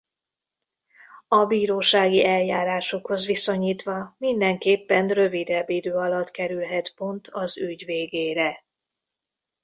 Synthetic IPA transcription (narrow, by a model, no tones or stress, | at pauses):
ɒbiːɾoːʃaːɡiɛljaːɾaːʃo̞kho̞zʋiso̞ɲiːt̪ʋɒmind̪ɛŋkeːpːɛnrø̞vid̪ɛbːid̪øːɒlɒt̪kɛɾylɦɛt̪po̞nt̪ʰɒzyɟveːɡeːɾɛ